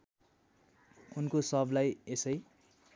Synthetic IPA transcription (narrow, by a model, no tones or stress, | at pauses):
unkosʌblajesʌj